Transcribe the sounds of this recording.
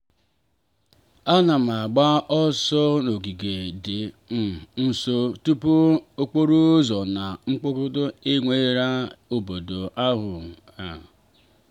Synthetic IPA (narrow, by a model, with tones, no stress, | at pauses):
a˦na˨m˨a˨ɡ͡ba˦ɔ˦sɔ˦no˨ɡi˨ɡe˨dɪ˨ | m̩˨n̩˨so˦tu˦pu˦o˦k͡po˦ɾu˦zɔ˨na˨ŋ͡m̩˦k͡pʊ˦kʊ˦dʊ˦e˦ŋʷe˦ɾa˦o˨bo˨do˨ʔa˦ɦʊ˨ | a˨